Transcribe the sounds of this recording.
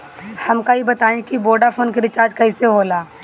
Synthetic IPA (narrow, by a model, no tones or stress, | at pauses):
hɐmkaibɐt̪aːẽkiboːɖafʰoːnk̬iɾɪt͡ʃaːɾd͡ʒkɐiseɦoːlaː